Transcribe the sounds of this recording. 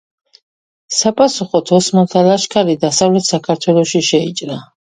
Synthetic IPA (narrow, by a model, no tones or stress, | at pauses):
sapʼasuχɔt̪ʰɔsmɔt̪ʰalaʃkʰaɾid̪asavlɛt̪ʰsakʰaɾt̪ʰwɛlˠɔʃiʃɛit͡ʃʼɾa